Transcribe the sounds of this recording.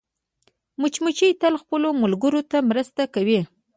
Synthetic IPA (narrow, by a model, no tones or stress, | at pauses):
mʊt͡ʃmʊt͡ʃijt̪alxpəlomʊlɡəɾot̪amɾəst̪akawi